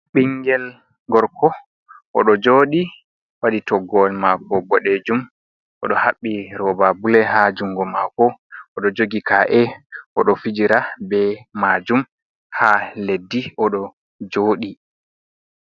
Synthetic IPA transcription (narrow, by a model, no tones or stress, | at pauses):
ɓiŋɡɛl | ɡɔɾkɔ | ʔɔɗɔd͡ʒoːɗi | waɗitɔɡɔlmakɔbɔɗed͡ʒum | ʔɔ̰ɗɔhaɓːiɾɔbabulɛɦad͡ʒuŋɡɔmakɔɔɗɔd͡ʒoɡikaʔɛʔɔɗɔfid͡ʒiɾabɛmad͡ʒum | haledːiɔɗɔ | d͡ʒoːɗi